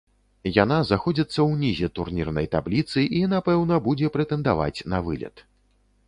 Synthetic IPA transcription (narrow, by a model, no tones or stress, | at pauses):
jan̪aznaxɔd͡zʲit̪sːɐwnʲizʲɛt̪urnʲirnɐjt̪a̰blʲit̪sɨʔinapɛwnɐbud͡zʲɛpɾɛt̪ɛnd̪ava̰t͡sʲnɐvɨlʲɐ̰t̪